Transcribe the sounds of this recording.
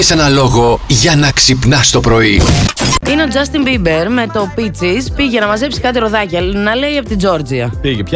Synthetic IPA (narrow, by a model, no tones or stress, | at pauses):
se̞nɐlo̞ɣo̞ʝɐnɐksipnɐst̪o̞pɾo̞i | ine̞o̞d͡zɐst̪imbibeɾme̞t̪o̞pit͡sispiʝenɐmɐze̞psi̥kɐt̪eɾo̞ðɐcelnɐle̞iɐpot̪id͡zo̞ɾd͡ziɐiʝep